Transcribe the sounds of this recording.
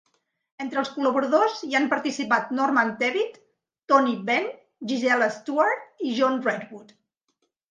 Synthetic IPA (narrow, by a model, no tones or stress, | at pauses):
ent̪ɾəlˠskuləβuɾəðoziampəɾt̪isipat̪nɔrmant̪ɛβit̪ː | ɔnibɛn | ʒizɛləst̪uaɾt̪̚iʒɔnrɛd̪wut̪